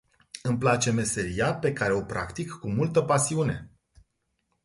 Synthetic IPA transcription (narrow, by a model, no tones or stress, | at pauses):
ɨmplat͡ʃe̞me̞se̞ɾiape̞kaɾe̞o̞pɾa̰kt̪ikːumult̪əpasiune̞̰